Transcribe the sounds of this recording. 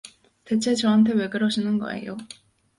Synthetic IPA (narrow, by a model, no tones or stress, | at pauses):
te̞t͡ɕʰe̞t͡ɕʌɦantʰe̞we̞ɡɯɾʌɕʰinɯnɡʌ̰e̞̰jo